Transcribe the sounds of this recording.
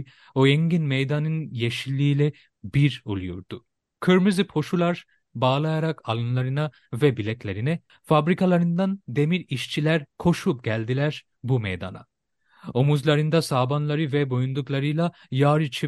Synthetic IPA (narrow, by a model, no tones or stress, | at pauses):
oɛɲɡinmejd̪anɯnjeʃilʲːiːlʲɛ | biɾolˠujṵɾd̪u | kʰɯɾmɯzipʰo̞ʃulˠaɾ | baːlˠajaɾakʰalˠɯnlˠaɾɯna | vɛbilʲɛclʲe̞ɾinɛ | fabɾikʰalˠaɾɯnd̪and̪e̞miɾiʃt͡ʃʰilʲæɾkʰo̞ʃupɟælʲd̪ilʲæɾ | bumejd̪a̰na̰ | omuzlˠaɾɯnd̪asaːbanlˠaɾɯvɛbo̞jund̪uklˠaɾɯjlˠa | jaːɾɯt͡ʃʰi